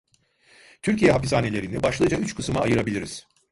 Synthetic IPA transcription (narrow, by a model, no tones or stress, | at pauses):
t̪ʰyɾcijɛɦapizaːne̞lʲe̞ɾinɛbaʃlˠɯjɯd͡ʒayt͡ʃkʰɯsɯmaːjɯɾabilʲiɾiz̥